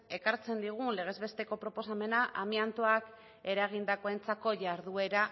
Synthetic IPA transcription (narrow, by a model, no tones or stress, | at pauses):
e̞kaɾt͡se̞nd̪iɣ̞unle̞ɣ̞e̞zβe̞st̪e̞ko̞pɾo̞po̞same̞naʔamiant̪oak | e̞ɾaɣ̞ind̪ako̞e̞nt͡sako̞ʝaɾðue̞ɾa